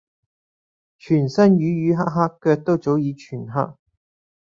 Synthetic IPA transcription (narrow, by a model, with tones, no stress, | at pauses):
t͡ʃʰyː˨˩nsɐ˥njyː˨˧˥jyː˨˧ɦaː˥ɦaː˥kːœː˧k̚t̪o˥wt͡so˨˥wjiː˨˧t͡ʃʰyː˨˩nɦa̰ː˥k̚